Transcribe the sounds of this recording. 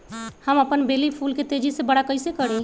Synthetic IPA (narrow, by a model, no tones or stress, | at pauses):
həməpənbelipʰulket̪ed͡ʒisebəɽakəɪsekəɽi